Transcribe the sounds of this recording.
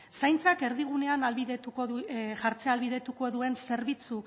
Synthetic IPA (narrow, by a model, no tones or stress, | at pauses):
sajnt͡sake̞ɾðiɣ̞une̞analβiðet̪ukoʝaɾt͡sealβiðe̞t̪uko̞ðue̞nse̞ɾβit͡su